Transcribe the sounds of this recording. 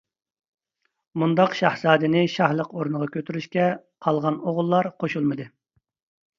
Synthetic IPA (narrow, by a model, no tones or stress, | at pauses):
mund̪ɑqʃɑhz̥ɑːd̪ɨnɪʃɑhlˠəqoɾunʁɑkʲʰøt̪ʰyɾyʃkʲɛqʰɑlˠʁɑnoʁʊlˠːɑɾqʰoʃulˠmɨd̪ɨ